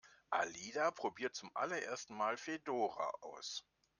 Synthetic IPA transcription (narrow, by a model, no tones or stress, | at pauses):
ʔa̰liːdapʁ̥obiːɐt̚t͡sʊmʔa̰lɐʔḛːɐstn̩maːlfedoːʁa̰ʔaʊs